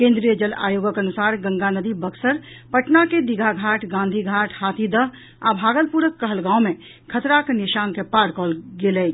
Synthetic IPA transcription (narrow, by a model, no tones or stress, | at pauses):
kẽnd̪ɾijəd͡ʒəla̰joɡəkənusaɾɡə̃ŋɡanəd̪ibəksəɾ | pəʈnaked̪iɡʱaɡʱaʈʰɡãnd̪ʱiɡʱaʈʰhat̪ʰid̪əɦ | a̰bʱaːɡəlpuɾəkːəɦəlɡãwme | kʰət̪ɾakenisankepaɾkɔlɡelɛt͡ʃʰ